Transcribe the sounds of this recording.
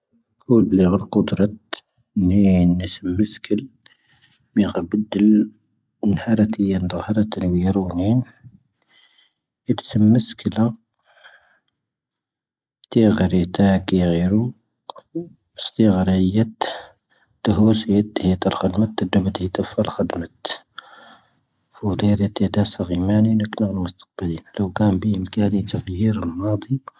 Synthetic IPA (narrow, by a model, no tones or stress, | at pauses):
kud̪liɣəlqʊd̪ɾˤɑt̪ | ninːəsəmːəskʰəl | miɣəbəd̪əl | nhɑɾˤɑt̪əjand̪əɣhɑɾˤɑt̪ːənwiɾunin | it̪səmːəskəla | t̪iɣɾit̪akiɣiɾu | əst̪iɣɾəjət̪ | t̪ːəɦusəjət̪ːhit̪əlxəd̪mət̪ːəd̪ubət̪hit̪əfalxəd̪mət̪ | fud̪ˤiɾit̪ed̪æsaɣimæninəknəɣəlmʊst̪ə̥q̚bəlinləwkæmbiʔəmkælit̪əɣjiɾəlmɑd̪ˤi